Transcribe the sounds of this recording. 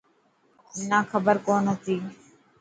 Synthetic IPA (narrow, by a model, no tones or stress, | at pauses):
naːkʰəbəɾkoːnɦət̪iː